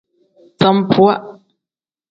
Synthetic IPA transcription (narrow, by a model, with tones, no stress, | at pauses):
t͡sa˦mpwa˦ʔ